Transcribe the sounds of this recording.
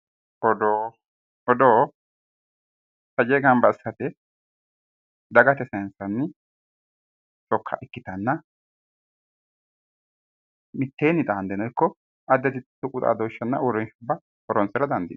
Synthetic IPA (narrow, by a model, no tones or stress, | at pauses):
ɔd̪oː | ɔd̪oː | sɐd͡ʒɛɡɐmbɐɪsːɐt̪ɛ | d̪ɐɡɐt̪ɛsɛnsɐnːɪ | t͡ʃɔkʰːɐ̰ʔɛkːɪt̪ɐnːɐ | mɪt̪ːeːnːɪd̪ɐɐnd̪ɛnɔjkːɔ | ʔɐd̪ːɛt̪ɪt̪ːʊkʼʊt̪ʼa̰ːd̪ɔːʃːɐnːɐ̰ɔɾɔnʃʊbːɐ | ɔɾɔnsɛɾɐd̪ɐnd̪ɪ̰